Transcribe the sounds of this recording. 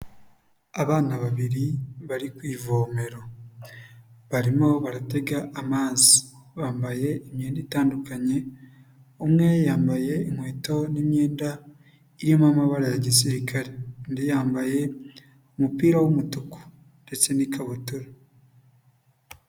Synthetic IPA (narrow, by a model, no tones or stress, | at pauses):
aβaːnaβaβiɾiβaɾikwiːvoːme̞ɾo̞ | βaɾimo̞βaɾate̞ɡaʔːmaːziβaːmbaje̞imɲeːnditaːndukaɲe̞ | umŋe̞jaːmbaje̞iŋwe̞ːto̞nimɲe̞ːnda | iɾiomamaβaɾajaɟisiɾikaɾe̞ndijaːmbaje̞ | umupiːɾawumutuku̥ | nde̞t͡se̞nikʰaβutuɾo